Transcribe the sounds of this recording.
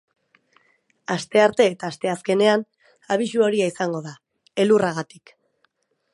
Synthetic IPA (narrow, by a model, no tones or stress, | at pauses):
ast̪e̞aɾt̪e̞ːt̪aːst̪e̞aske̞ne̞an | aβ̞iʃuo̞ɾiaisaŋɡo̞ða | e̞luraɣ̞at̪i̥k